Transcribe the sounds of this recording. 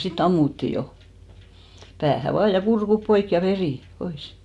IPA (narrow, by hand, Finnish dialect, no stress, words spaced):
sit ɑmːutːi jo pæːhæ ʋɑː jɑ kurkup poik jɑ ʋeriˑ pois